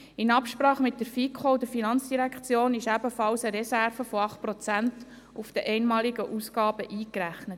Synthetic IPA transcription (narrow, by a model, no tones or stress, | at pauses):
ɪnɑpʃpɾɑːχmɪtdəɾfikχod̪əɾfinɑnt͡sd̥iɾækʰt͡sjoːnɪʃæbəfɑlsəɾɛsæɾfəfɔɑχt̚pɾot͡sænt | ufd̥̪ɛʔɛɪnmɑːliɡəʔusɡ̥ɑːb̥əʔiːkɾæχnət